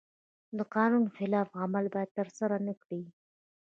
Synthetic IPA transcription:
d̪əqɑnunxɪlɑfɣamalbɑjad̪̚t̪əɾsaɾanəkɽi

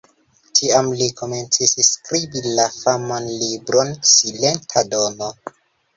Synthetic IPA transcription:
tʰiamlikʰo̞me̞nt͡sisskɾibilafamanlibɾo̞nsilentʰado̞no̞

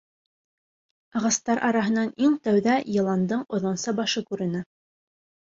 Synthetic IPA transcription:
ɑʁɑst̪ɑɾʔɑɾɑɦɤ̆nɑniŋt̪æwðæjɤ̆lˠɑnd̪ɤɴŏðŏnsɑbɑʃɤkʉɾɘ̆nɘ

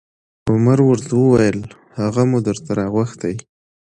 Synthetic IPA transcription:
ʊmaɾwəɾt̪awəwajəl | haɣamud̪əɾt̪aɾɑɣwaxt̪aj

